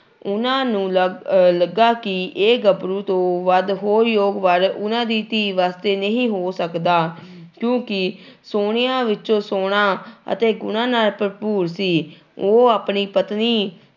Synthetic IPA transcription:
ʊnãːnũːləɡaːkɪeːɡəbɾũːt̪õːʋəd̪ɦoːɾjoːɡʋəɾʊnãːd̪iːt̪iːʋaːst̪eːnəɦĩːɦoːsəkd̪aː | kjõːkɪ | soːɽɪjãːʋɪt͡ʃõːsoːɽ̃aːə̰t̪eːɡʊnãːnaːlpəɾpuːɾsiː | oːaːpɳiːpət̪niː

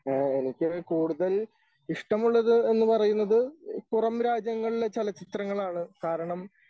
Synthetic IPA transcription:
e̞nikʲːɨkuːɽuðɐl | iʂʈɐmuɭːɐðɨe̞nːɨpɐrɐjunːɐðɨkurɐmɾaːd͡ʑjɐŋːɐɭilet͡ɕelɐt͡ɕit̪rɐŋːɐɭaːɳɨkaːɾɐɳɐm

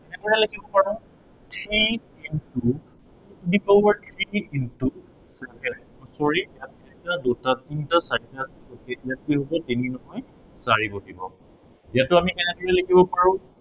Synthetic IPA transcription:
ɛnɛdɔɹɛlakibɔpaɹʊ̃ | tʰɹi | intu | utdipɔbaɹtʰɹiiʔintu | sɛpʰɛ | ɔsɔɹijat̚itadotatintasaɹtasɛkɔkɛʔijat̚kijɦobɔteninɔɦɔj | saɹibɔdibɔ̰ | jatʊamiɛnɛdɔɹɛlakʰibɔpaɹʊ̃

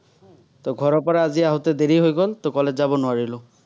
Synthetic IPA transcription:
tɔɡʱɔɹɔɹpɔɹaːziaɦʊtɛdeɹiɦojɡɔltokɔlɛzabɔnʊwaɹilʊ̃

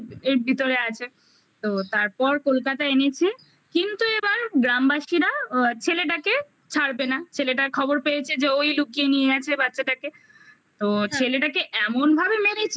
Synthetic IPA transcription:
eɾbʱit̪oɾeat͡ɕʰe | t̪ot̪aɾpɔɾkolkat̪aenet͡ɕʰe | kint̪uebaɾɡɾambaʃiɾat͡ɕʰeleʈ̬ake | t͡ɕʰaɽbenat͡ɕʰeleʈ̬akʰɔboɾpejet͡ɕʰed͡ʑeojlukienieɡat͡ɕʰebatːɕaʈake | t̪ot͡ɕʰeleʈakeʔɛmonbʱabemeɾet͡ɕʰe

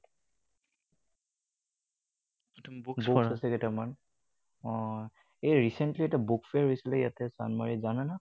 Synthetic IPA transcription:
tmbukbksasɛkɛtaman | ɔ̃ | eɹisɛntliɛtabukfeɹɦojsilɛja̰tɛsa̰nmaɹizanana

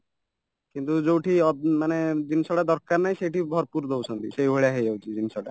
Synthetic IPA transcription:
kint̪ud͡ʒowʈʰiɔmaned̪insɔɽad̪ɔɾkaɾnajʃejʈibʱɔɾpuɾd̪owt͡ʃʰɔnt̪isejʱoɭjaɦejd͡ʒawt͡ʃʰid͡ʒ̪insɔɽa

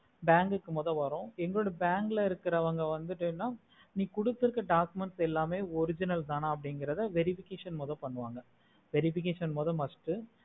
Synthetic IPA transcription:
baːŋɡɯkːɯmɔːðɐ̃ʋɐɾõɛŋɡɐɭoːɽɐbaːŋɡɪlɐɪɾɯkːɪɾɐʋɐŋɡɐʋɐnd̪ɯʈːɯnːaː | niːkʊɽɯt̪ːɪɾɯkːɐɖaːkɯmɛɳʈsɛlːaːmeːɔɾɪd͡ʒɪnɐlt̪aːnɐɐpːɐɽɪŋɡɪɾɐðɯʋɛɾɪfɪkeːʂɐnmoːðɐ̃pɐɳːɯʋaːŋɡɐ | ʋɛɾɪfɪk̬eːʂɐnmoːðɐ̃mɐsʈɯ

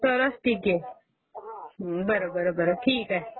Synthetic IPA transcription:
soɾəsʈʰike | bəɾobəɾobəɾoʈʰiːkɛ

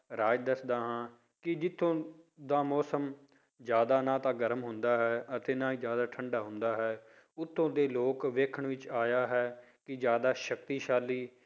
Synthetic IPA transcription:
ɾaːd͡ʒd̪əsd̪aːɦãː | kɪd͡ʒɪt̪ʰːõːd̪aːmɔːsəm | d͡ʒjaːd̪aːnãːt̪ãːɡəɾmɦʊ̃nd̪aːɦɛːʔət̪eːnãːiːd͡ʒjaːd̪aːʈʰəɳɖaːɦʊ̃nd̪aːɦɛː | ʊt̪ʰːõːd̪eːloːkʋeːkʰəɳʋɪt͡ʃaːjaːɦɛː | kɪd͡ʒjaːd̪aːʃək̚t̪iːʃaːliː

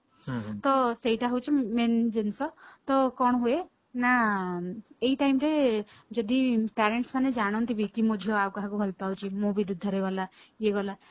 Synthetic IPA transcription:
t̪ɔseɦiʈaɦut͡ʃʰimend͡ʒensɔt̪ɔkɔɽ̃ɦue | na | eiʈaimɾe | d͡ʒɔd̪ipaɾeɳʈsmaned͡ʒaɽ̃ɔnt̪ʰibʱikimud͡ʒ̪ʱjɔawkaɦãkubʱɔlpawt͡ʃʰimũbiɾud̪ʱɔɾeɡɔlajeɡɔla

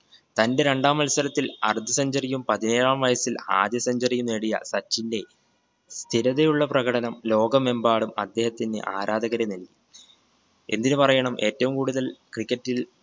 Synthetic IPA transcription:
t̪ɐnde̞ɾe̞ɳɖaːmɐlsɐɾɐt̪ːilɐ̰rd̪ʱːɐsɐɲd͡ʑɐrijumpɐðine̞ːɾaːmʋɐjɐsila̰ːd̪jɐsɐɲd͡ʑɐrijumeɽijɐ̰sɐt͡ɕːinde̞ | st̪ʰiɾɐðejuɭːɐprɐɣɐɽɐnɐmlo̞ːɡɐme̞mbaːɭumɐ̰d̪ːe̞ːhɐt̪ːindɨ̰ʔa̰ːɾaːd̪ɐɣɐɾeinɐlːi | e̞nd̪inɨpɐrɐjɐɳɐmʔe̞ːtːɐʋumkuːɽuðɐlkrikʲːɐtːil

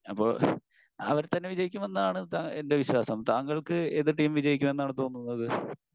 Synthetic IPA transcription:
ɐpːoɭ | ɐ̰ʋɐɾt̪ɐnːeʋid͡ʑɐjikʲːume̞nːaːɳɨt̪aːende̞ʋiɕwaːsɐmt̪aːŋɡɐɭkɨeðɨʈiːmʋid͡ʑɐjikʲːume̞nːaːɳɨt̪o̞ːnːunːɐðɨ

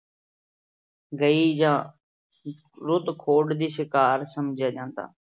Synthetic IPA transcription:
ɡəiːd͡ʒãː | ɾʊd̪kʰoːɖd̪iːsɪkaːɾsəmd͡ʒʱjaːd͡ʒãːnt̪a̰ː

